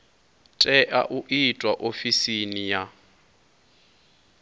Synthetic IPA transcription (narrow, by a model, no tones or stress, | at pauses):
tʼɛʔa̰ʔuʔitʼwaʔofisinija